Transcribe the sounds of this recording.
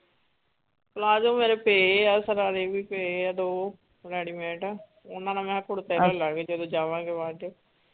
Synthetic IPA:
klaːd͡ʒõːmeːɾeːpeːaːsəɾaːɾeːbiːpeːɛːd̪oː | ɾɛːɽiːmɛ̃ːʈɛː | ʊnãːnãːmɛ̃ːkʊɽt̪ɛːɾɛːlãːɡeːd͡ʒəd̪õːd͡ʒaːʋãːɡeʋãːʈe

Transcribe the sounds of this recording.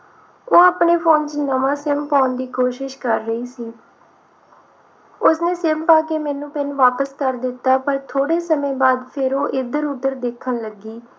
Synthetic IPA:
oːaːpneːpʰoːnt͡ʃənəʋãːsɪmpaːnd̪iːkoːʃɪʃkəɾːəiːsiː | ʊsnẽːsɪmpaːkeːmɛːnũːpɪnʋaːpəskəɾd̪ɪt̪ːaːpəɾt̪ʰoːɽeːsəmẽːbaːd̪pʰɪɾoːʔɪd̪əɾʊd̪əɾd̪eːkʰənləɡiː

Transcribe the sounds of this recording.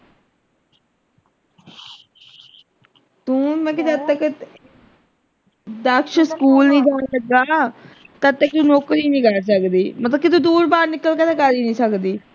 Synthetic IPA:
t̪ũːmɛ̃ːk̬ɪt̪ət̪ːək | d̪aːkʃəɾskuːlnĩːd͡ʒ̪aːnsəd̪aːt̪ət̪ːəkt̪ũnoːkɾiːnĩːkəɾsəkd̪iːmət̪ləbkɪt̪ũːd̪uːɾbaːɾnɪkəlkət̪eːkəɾiːnĩːsəkd̪iː

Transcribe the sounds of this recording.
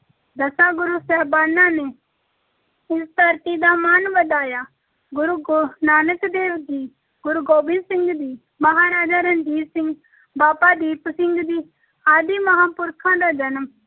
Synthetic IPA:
d̪ɐsaːɡʊɾusɛːbaːnːãːne | ɪst̪əɾt̪id̪aːmaːnbəd̪aːjaː | ɡʊɾuɡnaːnəkd̪eːʋd̪iː | ɡʊɾuɡoːbɪ̃nsɪ̃ŋɡd̪iː | mɐɦaːɾaːd͡ʒaːɾənd͡ʒ̪iːsɪ̃ŋɡ | baːpaːd̪iːpsɪŋɡd̪iː | aːd̪iːmɐɦaːpʊɾkʰãːd̪aːd͡ʒɐnm

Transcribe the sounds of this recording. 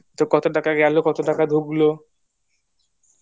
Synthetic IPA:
t̪okɔt̪oʈakaɡɛlokɔt̪oʈakad̪ʱuɡlo

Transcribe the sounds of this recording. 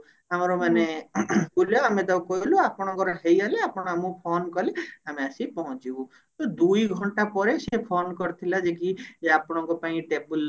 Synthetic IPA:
amɔɾɔmanekuljɔamẽt̪awkɔɦiluapɔɽ̃ɔ̃ŋkɔɾɔɦejaleapɔɽ̃ɔ̃amũpʰonkɔliameasipɔɦɔ̃t͡ʃibũ | t̪ɔd̪ujɡʱɔɳʈapɔɾesepʰonkɔɾt̪ʰilad͡ʒek̬iapɔɽ̃ɔ̃ŋkɔpaĩʈebul

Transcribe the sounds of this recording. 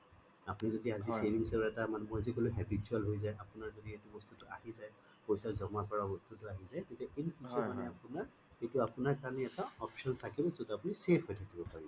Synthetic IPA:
apunizodiazisemiŋsɛlɛtamanɛmojazikolʊɦɛbitualɦojzajʔapʊnaɹzodietubɔstutʊa̰hizaj | pojsazɔmakɔɹabɔstutʊaɦizajtetɛinpʰuzɔmanɛapʊnaɹ | ejtʊapʊnaɹkaɹanɛɛtaɔpsɔntʰakibɔsɔtapʊnisepʰhojtʰakibɔpaɹi

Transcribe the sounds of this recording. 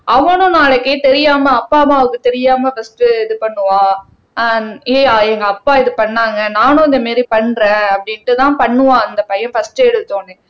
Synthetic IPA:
ɐʋɐ̃nʊ̃naːlɐkːet̪ɛɾɪjaːmɐɐpːaːmaʋɯkːɯt̪ɛɾɪjaːmɐfɐsʈɯɪðɯpɐɳːɯʋãː | eːaːɛŋɡɐːpːaːɪðɯpɐɳːaːŋɡɐnaːnʊ̃ɪ̃nd̪ɐmeːd̪ɾipɐɳːɾẽːɐpːɐɽɪnʈːɯt̪ãːpɐɳːɯʋãːɐnd̪ɐpɐjɐnfɐsʈːɐɛɽɯt̪ːõːnɯ

